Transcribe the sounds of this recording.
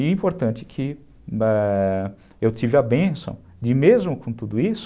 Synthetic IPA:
ĩpoɾt̪ɐ̃nt͡ʃ̪ɪ̥kʰɪ | ɛ | ewt̪ivɪɐbẽsɐ̰̃w̃ | d͡ʒɪmezmʊkõt̪ud̪ʊisʊ̥

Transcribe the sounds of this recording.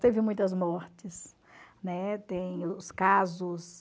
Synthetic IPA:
t̪evɪmũj̃t̪ɐzmɔɾt͡ʃɪs | nɛt̪ẽj̃ʊskazʊs

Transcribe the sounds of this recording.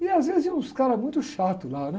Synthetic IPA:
ɪazvezɪzɛũskaɾɐmũj̃t̪ʊʃat̪ʊlanɛ

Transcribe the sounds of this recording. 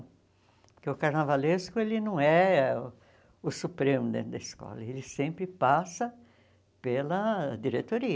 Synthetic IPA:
keʊkaɾnavaleskʊelɪnɐ̃w̃ɛ | ʊsupɾẽmʊd̪ẽt̪ɾʊd̪ɐiskɔ̰lɐ̰elɪsẽmpɾɪpasɐ | pelɐd̪iɾet̪oɾiɐ

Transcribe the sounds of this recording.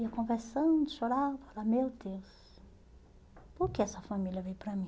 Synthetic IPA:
iɐkõveɾsɐ̃nd̪ʊʃoɾafalamewd̪ews | pʊɾkeɛsɐfamilʲjɐvẽjpɾɐmĩ

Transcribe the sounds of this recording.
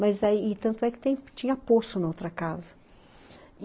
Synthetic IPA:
mɐzaiɪt̪ɐ̃nt̪ʊɛkɪ̥t̪ẽj̃t͡ʃĩɲɐpost̪ʊnɐowt̪ɾɐkazɐ

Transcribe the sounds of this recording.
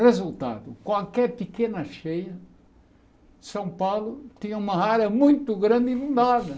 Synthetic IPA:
ʁezult̪a̰d̪ʊkwalkɛɾpɪkenɐʃejɐ | sɐ̃w̃pawlʊt̪ĩɲɐũmɐaɾɐmũj̃t̪ʊɡɾɐ̃nd̪ɪinũnd̪aðɐ

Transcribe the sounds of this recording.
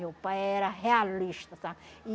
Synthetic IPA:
opaeɾaɦealliʃt̪asai

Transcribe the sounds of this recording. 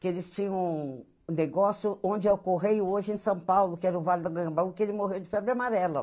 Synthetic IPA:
kɪelɪst͡ʃĩɲɐ̃w̃ | neɡɔsjʊõd͡ʒɪewkoɦejoʒɪẽsɐ̃w̃pawlʊkɪɛɾɐʊvalɪd̪ɐɡɐ̃bɐ̃w̃kɪelɪmoɦewd͡ʒɪfɛbɾɪamaɾɛlɐ

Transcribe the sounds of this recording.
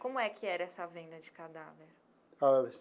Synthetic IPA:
kõmʊɛkʰɪɛɾɐɛsɐvẽnd̪ɐd͡ʒɪkad̪aveɾ | a

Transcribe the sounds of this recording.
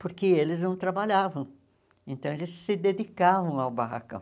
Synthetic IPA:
poɾkɪelɪznɐ̃w̃t̪ɾabaʎavɐ̃w̃ | ẽnt̪ɐ̃w̃elɪsːɪd̪ed̪ikavɐ̃w̃awbaha̰kɐ̰̃w̃

